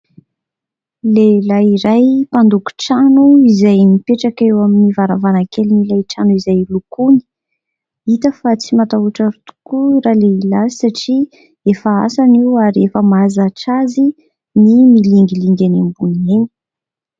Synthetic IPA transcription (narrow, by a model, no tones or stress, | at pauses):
lelajiɾajpand̪uku̥ʈ͡ʂanuizajnipeʈ͡ʂakewaminivaɾavanakelinilajʈ͡ʂanuizajlukuni̥ | it̪əfat͡simat̪auʈ͡ʂaɾut̪u̥kuɾaleilazisaʈ͡ʂi | efaa̰saniwaɾefəmazaʈ͡ʂazi | nimiliŋɡiliŋɡanembuneni̥